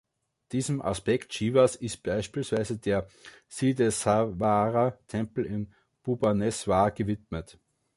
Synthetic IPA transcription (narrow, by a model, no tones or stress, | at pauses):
d̥iːzm̩ʔa̰spɛkt̚t͡ʃiːvasɪst̚b̥aɪʃpiːlsv̥aɪzədeːɐsidɛsavaːʁatʰɛ̃mpl̩ɪn | b̥ubanɛsvaːɡ̥əvɪtmət